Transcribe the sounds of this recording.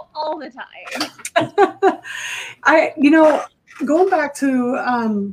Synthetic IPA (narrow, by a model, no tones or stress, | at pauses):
ɔlˠðɨtʰãɪ̃m | ʔaɪjɨnoʊ | ɡoʊɪ̃ŋbæk̚tʰɨʌ̃m